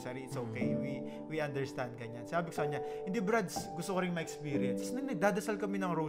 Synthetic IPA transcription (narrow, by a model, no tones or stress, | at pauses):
sɛɾiɪt̪soːkejwi | wiʔɐnd̪ɛɹst̪ãnd̪̚kɐɲansɪnaːbɪko̥sɐkɐɲahɪnd̪ibɾad̪sɡʊst̪okɐɾɪŋmɐʔɛkspiːɾɪjɛnssnɐɡ̚nɐɡ̚d̪aːd̪ɐsalkɐmɛnɐŋɾo